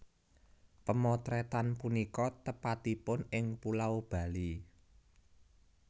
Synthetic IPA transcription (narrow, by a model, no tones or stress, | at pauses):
pəmɔt̪ɾɛt̪anpunikɔt̪əpat̪ipʊnɪŋpulaub̥ä̤li